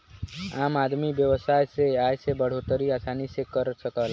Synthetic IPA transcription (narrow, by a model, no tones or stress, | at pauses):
amad̪mibjəwəsajseajsebəɽ̤ot̪əɾiasanisekəɾsəkəl